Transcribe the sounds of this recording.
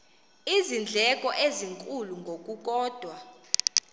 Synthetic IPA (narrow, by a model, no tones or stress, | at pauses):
izind͡ɮʱɛkʼɔʔeziŋkʼuluŋɡʱokʼuk̬ʼɔːd̥ʱwa